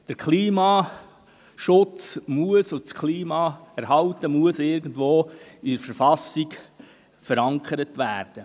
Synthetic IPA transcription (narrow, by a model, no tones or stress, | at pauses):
d̥əɾkʰliːmɑː | ʃʊt͡smuəsʊskʰliːmɑɛɾɦɑltəmuəsɪɾɡən̩dʋoːidəɾfəɾfɑsiɡ | fəɾɑŋkχəɾətʋæːɾd̥ə